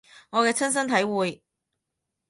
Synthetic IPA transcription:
ŋɔː˨˧kɛː˧t͡sʰɐ˥ns̬ɐ˥nt̪ʰɐ˨˥jwuː˨j

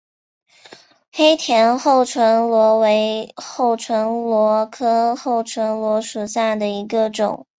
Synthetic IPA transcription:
xe˥ɪt̪ʰjɛ˧˥nxo˥˩ʊʈ͡ʂʰwə˧˥nlwɔ˧˥we˧˥ɪxo˥˩ʊʈ͡ʂʰwə˧˥nlwɔ˧˥kʰɤ˥xo˥˩ʊʈ͡ʂʰwə˧˥nlwɔ˧˥ʂu˨˩ɕja˥˩d̪ə˩i˧˥ɡə˧ʈ͡ʂʊ̰˨˩˦ŋ

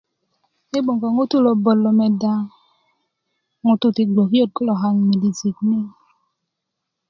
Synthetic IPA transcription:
e˦ɓo˨ŋɡɔ˨ŋu˦tu˦˨lo˨bo˨lːo˨mɛ˨da˦ | ŋu˨tu˦ti˨ɡʷo˨ko˦t̚ko˦lɔ˨ɦa˦ŋ˨mi˨di˨zi˨k̚mi˦ŋ

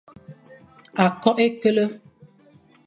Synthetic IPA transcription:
a˨kɔ˦ʔe˦kə˦lə˦

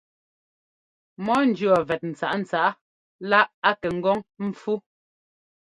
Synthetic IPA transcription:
mɔ˦n̩˨d͡ʒɰɔ˨vɛ˨t̚n̩˨t͡sa̰˨ʔn̩˨t͡sa˦ʔ | la˦ʔa˦kɛ˨ŋ̩˦ɡɔ˦ŋm̩˦p͡fu˦

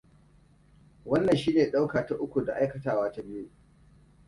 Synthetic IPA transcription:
wɐ˦nːɐ˨nʃiː˦neː˨ɗa˦wkaː˨ta˦ʔʊ˦kʷu˨da˨ʔa˦jkɐ˨taː˨waː˦ta˦bɪ˦ju˦

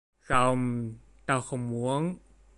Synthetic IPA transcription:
sa˧wm | t̪aː˧wxə˧wŋ͡mmu˨˦˥ən

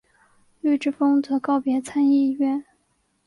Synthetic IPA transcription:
ly˥˧ɪʈ͡ʂɻ̩˥˩fɤ˥ŋt͡sɤ˧˥kɑ˥˩ʊpjɛ˧˥t͡sʰa˥ni˥˧˥ɥɛ˥˩n

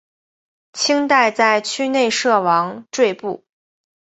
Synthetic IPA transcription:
t͡ɕʰi˥ŋt̪a˥˧ɪt͡sa˥˩ɪt͡ɕʰy˥˧ne˥˧ɪʂɤ˥˩wɑ˧˥ŋʈ͡ʂwe˥˧ɪpṵ˥˩

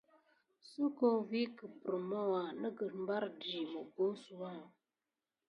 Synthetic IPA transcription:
su˦ko˦vi˦kə˨pɾə˨ma˦wa˨nə˦ɡə˨m˦ba˦ɾdi˨mə˨ɡo˦su˦wa˦˨

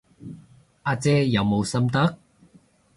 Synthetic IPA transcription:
ʔaː˧t͡sɛː˥jɐ˨˧wmo˨˧wsɐ˥mt̪ɐ˥k̚

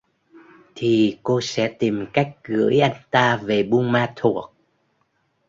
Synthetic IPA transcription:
t̪ʰi˨˩ko˧sɛ̰˧˥t̪i˨˩mka˦˥jk̟̚ɣɨ̰˧˥əjʔa˧jŋ̟t̪aː˧ve˨˩ɓu˧ŋmaː˧t̪ʰu˨˩ək̚

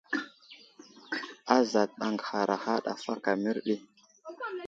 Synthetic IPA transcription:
a˦za˨tɗa˨ŋɡxa˨ɾʔa˨xa˦ɗa̰˨fa˦ka˨mi˦ɾɗi˦

